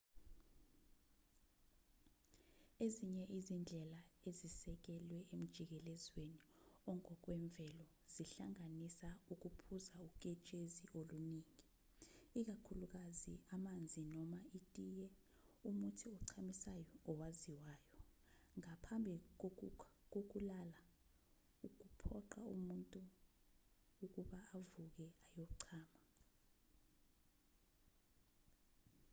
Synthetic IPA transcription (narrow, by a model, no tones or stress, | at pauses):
eziɲɛʔizind͡ɮʱɛlaezisɛk̬ɛlwɛem̩d̥ʒ̥ʱik̬ɛlɛzweniɔŋɔk̬wɛɱb̪vʱɛlɔ | z̥iɬaŋanisauk̬upʰuzauk̬ʼɛt͡ʃʼeziʔoluniːŋi | ik̬akʰuluk̬aziamand͡zʱinɔmaitʼijɛ | umutʰiɔǀʰamisajɔɔwaziwaːjɔŋapʰambʱik̬k̬ok̬ulala | uk̬upʰɔǃaumuntʼu | k̬uɓaːvuk̬ɛajɔǀʰaːma